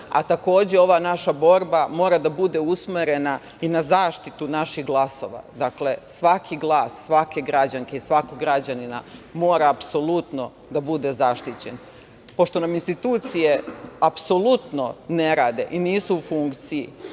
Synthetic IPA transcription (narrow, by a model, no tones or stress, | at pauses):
a̰t̪ako̞ːd͡ʑeo̞ʋanaʃabo̞ɾbamo̞ːɾad̪abud̪e̞usmeɾe̞na | inazaːʃt̪it̪unaʃiɣɡlˠaso̞̰ʋa̰d̪akle̞sʋakʰiɡlˠaːsːʋake̞ɡɾad͡ʑaŋke̞isʋakoɡɾad͡ʑanina̰mo̞ːɾaːpso̞lˠut̪no̞ | d̪abud̪e̞zaʃt̪it͡ɕen | po̞ʃt̪o̞naminst̪it̪uːt̪sije̞apso̞lˠut̪no̞neɾaːd̪e̞̰ʔiniːsuːfuŋkt̪sijḭ